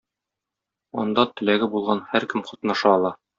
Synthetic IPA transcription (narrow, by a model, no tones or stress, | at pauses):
ɒ̰nd̪ɑt̪ɘ̆læɡɘbulˠʁɑnhæɾkɘmqɒt̪nɑʃɑːlˠɑ